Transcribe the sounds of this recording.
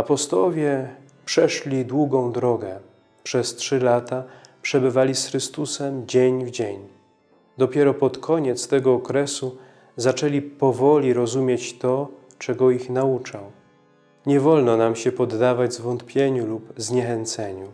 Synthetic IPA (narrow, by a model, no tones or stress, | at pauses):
apɔst̪ɔwɔvʲjɛ | pʂɛʂlʲid̪wuɡɔ̃w̃d̪ɾɔɡɛ | pʂɛstʂɘlat̪apʂɛbɘvalʲisxɾɘst̪usɛmd͡ʑeɲvd͡ʑeɲ | d̪ɔpʲjɛɾɔpɔt̪kʰɔɲɛt̪st̪ɛɡɔːkɾɛsu | zat͡ʂɛlʲipɔvɔlʲiɾɔzumʲjet͡ɕt̪ɔ | t͡ʂɛɡɔixnaut͡ʂaw | ɲɛvɔlnɔnamɕɛpɔd̪ːavad͡ʑzvɔnt̪pʲjeɲulupzɲɛxɛnt̪sɛɲu